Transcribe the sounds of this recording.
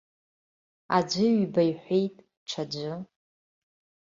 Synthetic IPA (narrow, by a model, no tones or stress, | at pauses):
a̰d͡ʒʷʊɥbajħʷejtʼ | ʈ͡ʂʰad͡ʒʷʊ